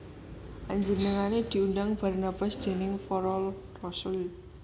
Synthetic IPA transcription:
ʔaɲd͡ʒənəŋaned̪̥i̤undaŋb̥a̤rnab̥asd̪̥e̤nɪŋfɔɾɔl | rɔsʊl

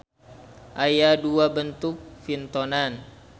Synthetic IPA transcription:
ʔajaduabənt̪uk̚fint̪ɔnan

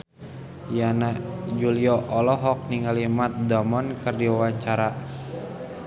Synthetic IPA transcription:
janad͡ʒuliɔʔɔlɔɦɔk̚niŋalimat̪̚dɔmɔnkərdiwawaɲt͡ʃaɾa

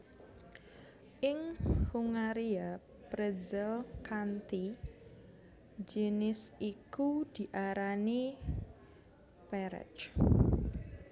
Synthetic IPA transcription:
ʔɪŋhuŋaɾia | pɾəzɪlkant̪i | d͡ʒenɪsikud̪̥i̤ʔaɾani | pɛɾə̰t͡ʃ

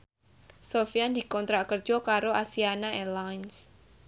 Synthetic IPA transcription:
sofijand̪i̤kɔnt̪ɾaʔkərd͡ʒɔkaɾoʔasianaɛlajns

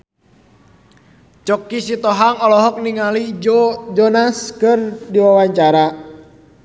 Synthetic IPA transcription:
t͡ʃɔkisit̪ɔɦaŋɔlɔɦɔk̚niŋalid͡ʒɔnaskɨrdiwawaɲt͡ʃaɾa

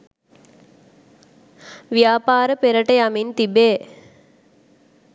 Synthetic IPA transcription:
ʋjaːpaːɾəpeɾəʈəjamint̪ibeː

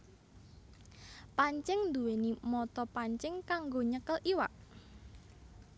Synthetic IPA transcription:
paɲt͡ʃɪŋnd̪uwenimɔt̪ɔpaɲt͡ʃɪŋkaŋɡoɲəkəliwa̰ʔ

